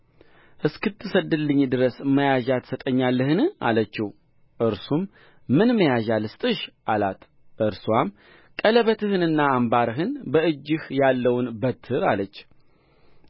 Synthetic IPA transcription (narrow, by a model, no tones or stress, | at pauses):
ʔɨskɨt̪ʰːɨsəd̪ɨlːɨɲːd̪ɨɾəsməjaʒat̪ʰə̥sət̪ʼəɲːalːəhɨnɨa̰lət͡ʃːɪh | ʔɨɾsumː | ɨnməjaʒalɨst̪ʼɨʃʔalat̪ | ʔɨɾswam | kʼələβət̪ʰɨhɨnɨnːaːmbaɾɨɦɨnbəɨd͡ʒːɪhjalːəwnbət̪ʰːɨɾalət͡ʃː